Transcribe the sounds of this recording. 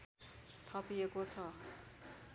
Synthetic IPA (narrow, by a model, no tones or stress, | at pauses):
t̪ʰʌpiekot͡sʰʌ